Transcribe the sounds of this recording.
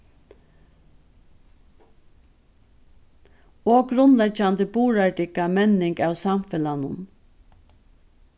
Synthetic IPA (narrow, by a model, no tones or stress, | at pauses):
oːɡɾʊnlɛd͡ʒand̪əbuːɾaɖɪkamɛnɪŋkaːwsamfɛlanʊn